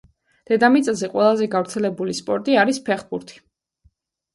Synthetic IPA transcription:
d̪̥ɛd̪amit̪sʼzɛqʼwɛlˠazɛɡavɾt̪sʰɛlɛbulispʼɔɾt̪ʼiaɾispʰɛχbuɾt̪ʰi̥

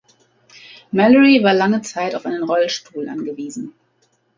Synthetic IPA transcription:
mɛləʁivaːɐlaŋət͡saɪtaʊfʔaɪnənʁɔlʃtʰuːlʔa̰nɡəviːzn̩

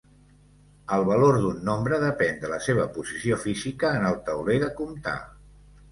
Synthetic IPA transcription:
əlˠβəloɾðunːombɾəðəpɛnd̪ələseβ̞əpuzisiofizikəːnəlˠt̪əwleðəkumt̪a̰

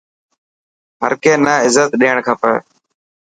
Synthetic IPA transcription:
ɦə̰ɾkeːnaːɪzət̪ɗiːəɳ̃kʰaːpə̰

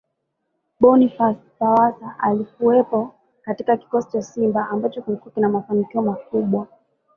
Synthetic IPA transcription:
ɓɔnifastawasaʔalikuɛpɔ | katikaki̥kɔsi̥t͡ʃasimbaʔambat͡ʃɔkilikuakinamafanikiɔmakuɓwa

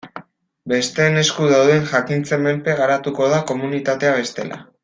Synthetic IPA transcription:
be̞st̪e̞ːne̞skuð̞awðe̞nʝakint͡se̞me̞lpe̞ɣaɾat̪uko̞ð̞ako̞munit̪at̪e̞aβ̞e̞st̪e̞̰lʔa̰

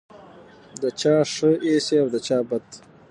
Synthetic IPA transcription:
d̪ət͡ʃɑːʂəeseawd̪ət͡ʃɑːbad̪

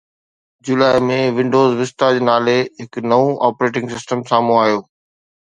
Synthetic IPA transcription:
d͡ʑulaːɪmẽʋɪ̃ɳɖoːzʋɪst̪ad͡ʑnaːleɦɪknɐʋũʔaːpɾeːʈ̬ɪ̃ŋɡsɪsʈəmsaːmũaːjoː

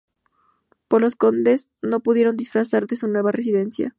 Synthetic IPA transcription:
poɾlo̞sko̞nd̪e̞zno̞puðjeɾo̞nd̪isfɾasaɾd̪e̞sunwe̞βare̞s̬iðe̞nsja̰

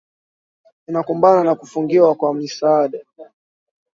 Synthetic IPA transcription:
ninakumbananakufuŋɡiwakwamisaaɗa

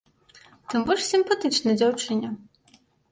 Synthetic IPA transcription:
t̪ɨmbɔʂsʲimpat̪ɨt͡ʂnɐd͡zʲawt͡ʂɨnʲɐ

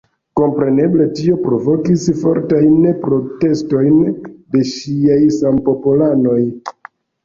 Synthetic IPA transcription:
ko̞mpɾe̞ne̞ble̞tio̞pɾo̞vo̞kisfo̞̰ɾtajnpɾo̞te̞sto̞jnde̞ʃiajsampo̞polano̞j

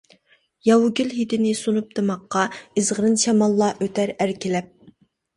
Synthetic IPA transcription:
jɑwuɡʲylɦid̪ɪnɪsonup̚d̪ɨmɑqːɑɨzʁəɾɨnʃɑmɑlˠːɑʔøt̪ʰæɾæɾkʲʰilɛp̚

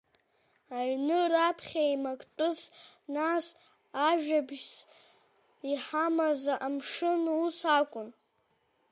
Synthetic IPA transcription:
aɥnɨrapʰχʲaimakʼtʼɨsnas | aʒᶣabʒt͡sʰʼ | iħamazaʔamʂɨnusakʷʼʊn

